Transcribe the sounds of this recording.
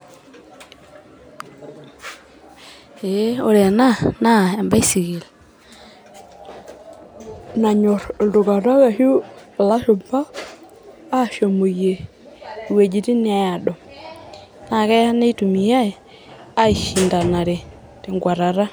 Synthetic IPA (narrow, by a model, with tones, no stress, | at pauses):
e˨˦o˨ɾɛ˨a˨na˦˨na˦˨a˨mba˦i˦si˨ɣe˨l | na˨ɲɔ˨ɾdo˨ka˨ɾa˦ɣa˨ʃu˦˨la˦ʃo˨mpa˦ | a˦˨ʃo˨mo˨je˨ | we˨d͡ʒi˨ti˦n˦a˦ja˨ɗɔ˨ | na˨kɛ˦a˦ne˦tu˨mi˨ja˦e˨ | a˦i˨ʃi˨nda˨na˨ɾe˨ | te˨ŋɡwa˨ɾa˨ɾa˦